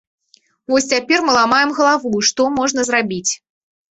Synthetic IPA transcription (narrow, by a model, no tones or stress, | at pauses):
vɔsʲt͡sʲapʲɛrmɨlˠamajɛmɣɐlˠavuiʂt̪ɔmɔʐnɐzɾabʲit͡sʲ